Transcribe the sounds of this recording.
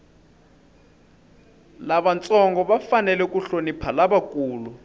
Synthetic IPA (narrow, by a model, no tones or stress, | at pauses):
laɓant͡sʼɔŋɡɔɓafanɛlɛk̬ʼuɬonipʰalaɓakʼuːlu